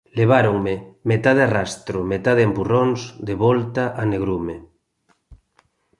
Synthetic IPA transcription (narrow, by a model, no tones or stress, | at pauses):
leβ̞aɾoŋmemet̪aðearast̪ɾomet̪aðeempuronzd̪eβɔlt̪aʔaneɣ̞ɾume